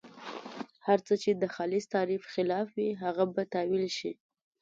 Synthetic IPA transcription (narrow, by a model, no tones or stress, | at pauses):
haɾt͡sət͡ʃed̪əxɑlɪst̪ɑɾifxɪlɑfwiɦaɣabat̪ɑwilʃi